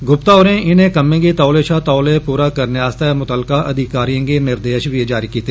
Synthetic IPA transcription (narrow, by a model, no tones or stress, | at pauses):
ɡʊpt̪aʊːɾẽɪnẽkɐmẽkit̪aːʊleːʃat̪aːlepuːɾakɐɾneaːst̪ajamʊt̪əlkaʔɐd̪ʱɪkaːɾijõkenɪɾd̪eːʃʋied͡ʒaːɾikiːt̪eː